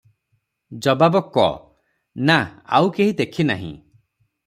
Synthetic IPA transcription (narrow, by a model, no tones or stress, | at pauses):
d͡ʒɔbabɔkɔ̰ | naa̰wkeɦid̪ekʰina̰ɦḭ̃